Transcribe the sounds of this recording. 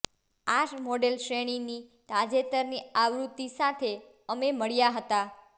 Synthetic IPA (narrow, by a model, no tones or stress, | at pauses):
aʃmɔɖelʃɾeɽ̃init̪ad͡ʒet̪əɾniaʋɾut̪ːisat̪ʰe | əmeməɭjaɦət̪a